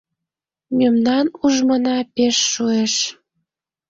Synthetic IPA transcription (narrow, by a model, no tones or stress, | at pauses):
mʲømnɑnuʒmənɑpeʃːueʃ